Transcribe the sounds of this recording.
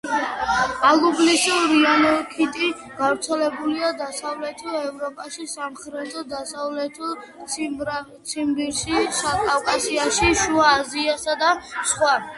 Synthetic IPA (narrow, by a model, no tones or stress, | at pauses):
alublisuɾianɔkʰit̪ʼi | ɡ̥avɾt̪sʰɛlɛbuliad̪asavlɛt̪ʰɔɛvɾɔpʼaʃisamχɾɛt̪ʰɔd̪asavlɛt̪ʰɔ | t̪sʰiɾa | t̪sʰimbiɾʃiʃakʼavkʼasiaʃiʃuaːziasad̪asχwa